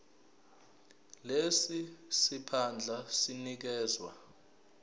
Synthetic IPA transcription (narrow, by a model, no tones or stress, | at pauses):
lesisipʰand͡ɮʱasinik̬ɛːzwa̰